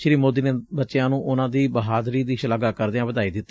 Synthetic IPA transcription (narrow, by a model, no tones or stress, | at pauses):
ʃɾiːmoːd̪iːneːbətːʃejãːnũːʔʊnãːd̪iːbəɦaːd̪ɾiːd̪iːʃləɡaːkəɾd̪eãːbəd̪aːiːd̪ɪt̪ː